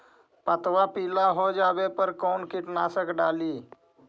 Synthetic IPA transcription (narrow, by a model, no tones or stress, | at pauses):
pət̪ʋapiːlaɦod͡ʒaːʋepəɾkoːnkɪʈnaːsəkɖaːliː